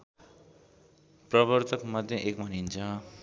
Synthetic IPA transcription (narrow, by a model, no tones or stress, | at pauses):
prʌβʌrt̪ʰʌkmʌd̪ʱjʌʔek̚bʱʌnint͡sʰʌ